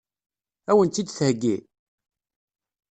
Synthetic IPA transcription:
æwənt̪ːid̪θhəɡːi

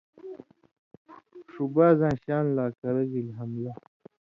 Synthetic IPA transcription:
ʂubaːzãːɕaːnlaːkɐɾɐɣilɦɐmla

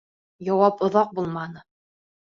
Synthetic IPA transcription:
jɒwɑpŏðɑq̚bulˠmɑnɤ

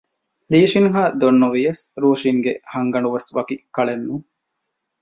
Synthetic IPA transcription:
liːʃinɦaːd̪onːuʋijɐsɾuːʂiŋɡehɐŋɡɐnuʋɐsʋɐkikɐɭenːu

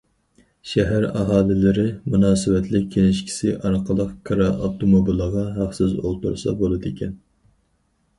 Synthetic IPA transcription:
ʃɛɦæɾɑɦɑːlɪlɪɾɪmunɑːsɨwɛt̪ʰlɪk̚ʲʰːelɪʃkʲʰi̥sɪʔɑɾqəlˠəqkʰɑɾɑʔɑt̪omobilˠəʁɑɦɑχsɪzo̰lˠt̪ṵɾsɑ̰bolˠɨd̪ekʲɛn

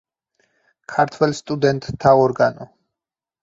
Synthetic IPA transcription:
kʰaɾt̪ʰwɛlst̪ʼud̪ɛnt̪ʼt̪ʰːaɔɾɡanɔ

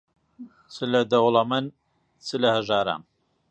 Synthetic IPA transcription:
t͡sʰɨlɐd̪ɐwlˠɐmɨn | t͡sʰɨlɐhɐʒaːɾa̰m

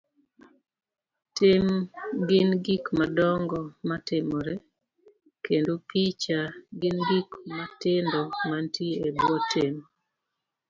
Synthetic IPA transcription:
tɪmɡɪnɡikmadɔŋɡɔmatɪmɔɾɛ | kendopit͡ʃaɡɪnɡikmatɪndɔmantiebwɔtɪm

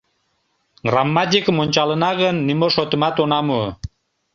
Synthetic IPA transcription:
ɡramːɑt̪̬ʲikəmonʲt͡ɕɑlənɑɣənːimoʃot̪əmɑt̪onɑmuə

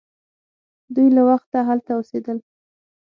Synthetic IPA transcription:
d̪ujlawaxt̪ːaɦalt̪aosed̪əl

